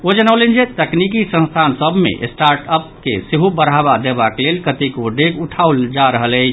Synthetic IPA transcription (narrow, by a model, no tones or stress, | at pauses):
od͡ʒənalend͡ʒet̪əknik̬isə̃nst̪ʰansəbʱmḛʔsʈaɾʈəp̚keseɦubəɾɦabad̪ebakelelkət̪ikoɖekuʈʰauld͡ʒaɾəɦələt͡ʃʰ